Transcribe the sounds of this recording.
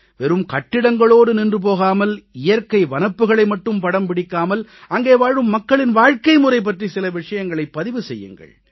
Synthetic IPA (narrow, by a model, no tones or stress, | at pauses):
ʋɛɾɯmkɐʈːɪɽɐŋɡɐɭoːɽɯnɪndrɯp̬oːɣaːmɐlɪjɐɾkɐɪʋɐnɐpːɯɣɐɭɐɪmɐʈːɯmpɐɽɐmpɪɽɪkːaːmɐlɐŋɡeːʋaːɻɯmːɐkːɐɭɪnʋaːɻkɐɪmʊrɐɪp̬ːɐʈrisɪlɐʋɪʂɐjɐŋɡɐɭɐɪpːɐðɪʋɯsɛjːɯ̰ŋɡɐ̰ɭ